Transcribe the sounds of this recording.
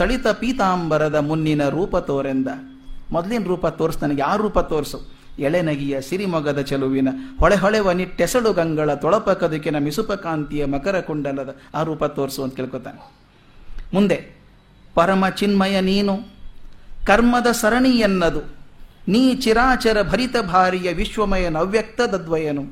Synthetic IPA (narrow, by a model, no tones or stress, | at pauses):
t̪ɐɭit̪ɐpiːt̪aːmbɐɾɐd̪ɐmunːinɐɾuːpɐt̪oːɾind̪ɐ | mɔd̪ɐleːnɾuːpɐt̪oːɾsnɐnɐɡeaːɾuːpɐt̪oːɾsu | ɛɭenɐɡijɐsiɾimɔɡɐd̪ɐt͡ʃɐluʋinɐhɔɭeɦɔɭɛʋɐniʈːɛsɐɽuɡɐŋɡɐɭɐt̪ɔɭɐpɐkɐd̪ɐkːenɐmisupɐkaːnt̪ijɐmɐkɐɾɐkuɳɖɐlːɐd̪ɐaːɾuːpɐt̪oːɾsuɐnt̪̚keːɭkoːt̪a̰ːne | mund̪e | pɐɾɐmɐt͡ʃinmɐjɐniːnu | kɐɾmɐd̪ɐsɐɾɐɳijɐnːɐd̪uniːt͡ʃiɾaːt͡ʃɐɾɐbʱɐɾit̪ɐbʱaːɾijɐʋiʃʋɐmɐjɐnɐʋjɐk̚t̪ɐd̪ɐd̪ʋɐjɐnu